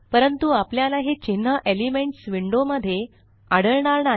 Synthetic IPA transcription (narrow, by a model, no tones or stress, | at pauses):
pəɾənt̪uapljalaɦet͡ɕin̤ːəʔelimeɳʈsʋiɳɖoməd̪ʱːje | aɽəɭɳ̃aɾna